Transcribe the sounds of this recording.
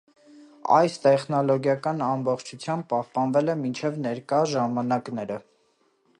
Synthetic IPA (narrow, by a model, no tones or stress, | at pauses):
ɑ̰jst̪ɛχnɔlɔɡjɑkɑnɑmbɔχt͡ʃʰut͡sʰjɑmb̚pɑhpɑnvɛlɛmint͡ʃʰɛvnɛɾkɑʒɑmɑnɑknɛɾə